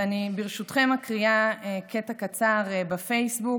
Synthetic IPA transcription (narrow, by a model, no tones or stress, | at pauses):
anibiʁʃutχe̞makʁiaekʰetakat͡saʁbafejsbu